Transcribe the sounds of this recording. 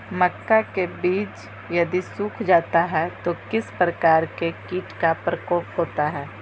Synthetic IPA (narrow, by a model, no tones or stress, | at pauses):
məkːakebiːt͡ʃ | jɐd̪isuːkʰd͡ʒaːt̪aɦɛt̪okɪspɾəkaːɾkekiːʈkapɾəkoːpɦoːt̪aɦɛː